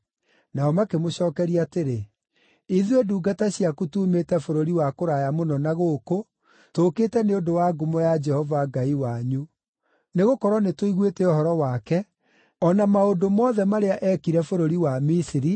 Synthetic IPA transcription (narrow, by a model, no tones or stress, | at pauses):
naɔmakemoɕɔːkɛɾiateɾe | iðweduːɡataɕjakutuːmetɛfoɾoɾiwakoɾajamonɔnaɣoːko | tokeːtɛneodowaɡomɔjad͡ʒɛhɔvaɡaiwaɲu | neɣokɔɾwɔnetoiɣwetɛohɔɾɔwaːkɛ | ɔnamaodomɔːðɛmaɾeaʔɛkiɾɛfoɾoɾiwamisiɾi